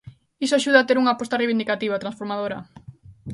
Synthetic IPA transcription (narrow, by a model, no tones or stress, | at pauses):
isoaʃuðɐaːt̪eɾuŋapɔst̪ɐreβind̪ikat̪iβɐt̪ɾansfoɾmaðoɾɐ̰